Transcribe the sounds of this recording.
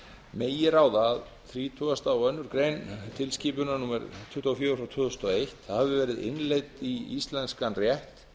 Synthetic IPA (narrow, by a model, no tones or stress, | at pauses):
meːjɪɾaːwðaːð | θɾiːt̪ʰœːast̪awœnːʏɾkɾejnt̪ʰɪlsciːp̬ʏnanuːmɛɾt̪ʰʏht̪uafjœːɾʏfɾawt̪ʰʏðʏst̪ɔejht̪ahavɪvɛːɾɪðɪ̰nlejt̪iist̪lɛnskanrjɛht̪